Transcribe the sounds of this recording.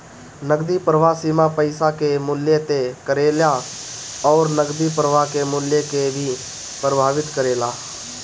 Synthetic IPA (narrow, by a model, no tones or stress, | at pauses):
nəɡd̪ipɾəʋaːsiːmãpəɪsakemʊljet̪ekəɾeːlja | ɔːɾnəɡd̪ipəɾəʋakemʊljekebʱi | pɾəbʱaːʋɪt̪kəɾeːlaː